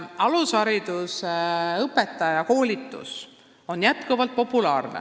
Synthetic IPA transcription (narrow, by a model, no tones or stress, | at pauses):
ɑlusɑɾid̪̥useɤpːˑe̞t̪ːˑɑjɑko̞ːlʲit̪ːˑṵs | o̞njæt̪kuvɑlt̪̚po̞pːˑulɑːrnḛ